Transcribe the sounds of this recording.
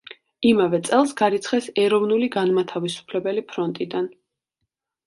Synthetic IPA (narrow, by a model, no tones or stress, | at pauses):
imavɛt̪sʼɛlˠsɡaɾit̪sʰχɛsɛɾɔvnuliɡanmat̪ʰavisu̥pʰlɛbɛlipʰɾɔnt̪ʼid̪an